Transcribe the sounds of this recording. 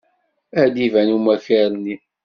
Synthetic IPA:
æd̪ivænumæçaɾˤni

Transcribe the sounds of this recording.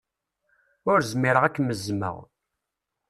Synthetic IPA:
ʊɾzmiɾəʁækːməzmə̰ʁ

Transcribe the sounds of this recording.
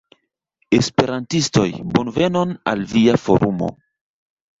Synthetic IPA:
espe̞ɾantisto̞jbonve̞no̞na̰lviafo̞̰ɾʔumo̞̰

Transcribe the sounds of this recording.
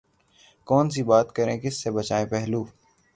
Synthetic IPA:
kɔːns̬iːbaːt̪kəɾẽːkɪsːebət͡ʃaːẽːpɛɦluː

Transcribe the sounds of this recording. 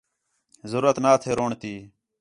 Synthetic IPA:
zəɾuːɾət̪naːt̪ʰeːɾoːɳt̪iː

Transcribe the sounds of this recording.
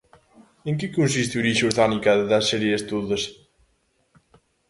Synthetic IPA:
eŋkɪkonsist̪uɾiʃuɾðanikaððasɛɾjest̪oðɐs

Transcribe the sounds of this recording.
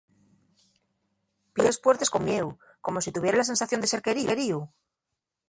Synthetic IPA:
pjespweɾt̪e̞skomjew | ko̞mosit̪uβjeɾelase̞nsaθjo̞nd̪ese̞ɾke̞ɾike̞ɾiu

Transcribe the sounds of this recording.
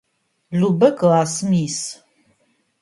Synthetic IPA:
ɮubɐkʰaːsɨmiːs

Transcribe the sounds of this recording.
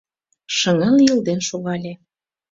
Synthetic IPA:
ʃə̆ŋɑljild̪enʃoɣɑlʲe

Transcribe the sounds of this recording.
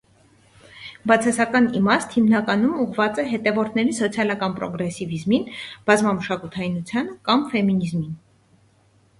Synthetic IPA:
bɑt͡sʰɑsɑkɑnimɑst̪himnɑkɑnumuʁvɑt͡sɛɦɛt̪ɛvɔɾt̪ʰnɛɾisɔt͡sʰjɑlɑkɑnpɾɔ̰ɡɾɛsivizminb̥ɑzmɑməʃɑkut̪ʰɑinut͡sʰjɑnəkɑmfɛminizmin

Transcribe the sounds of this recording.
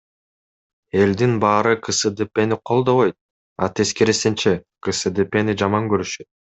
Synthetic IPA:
e̞ld̪inbɑːɾɯqʰɯsɯd̪epeniqʰo̞lˠd̪o̞βojt̪̚ | ɑ̰t̪ʰe̞skeɾesent͡ʃekɯsɯd̪epe̞nid͡ʒɑmɑŋɡøɾyʃøt̪̚

